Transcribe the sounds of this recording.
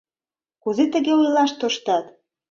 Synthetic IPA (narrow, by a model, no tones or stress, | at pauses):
kuzet̪ə̆ɣeujlɑʃt̪oʃt̪ɑt̪